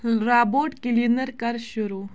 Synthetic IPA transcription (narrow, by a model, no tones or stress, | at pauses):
ɾaːboːʈkilinəɾkɐɾʃʊɾuː